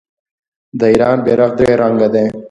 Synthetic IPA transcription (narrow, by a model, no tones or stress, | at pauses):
d̪əiɾɑːnbeɾɐqd̪eɾaŋɡɐd̪ẽː